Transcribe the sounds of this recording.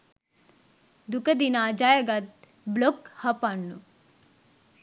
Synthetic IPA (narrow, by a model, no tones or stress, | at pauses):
d̪ukəd̪inad͡ʒajɐɡat̪̚ | blokhɐpanːu